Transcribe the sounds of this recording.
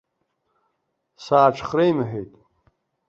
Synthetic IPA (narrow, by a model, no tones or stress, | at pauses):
saːʈ͡ʂʰχrejmɨħᶣejtʼ